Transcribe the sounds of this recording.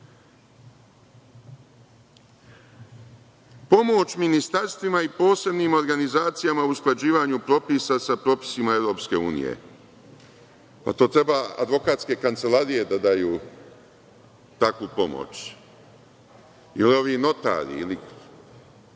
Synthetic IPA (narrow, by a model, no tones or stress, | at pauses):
po̞mo̞t͡ɕminist̪aɾst̪ʋimaipo̞ːse̞bniːmo̞ɾɡanizaːt̪sijamausklˠad͡ʑiːʋaɲupɾo̞pisasapɾo̞pi̥simae̞ʋɾo̞ːpske̞uːnḭjḛ | pa̰t̪o̞ːt̪ɾe̞baa̰d̪ʋo̞kaːt̪ske̞kant̪se̞laɾije̞d̪ad̪ajuː | t̪akʋupo̞mo̰t͡ʃ | jilio̞ʋiːno̞t̪a̰ːɾḭili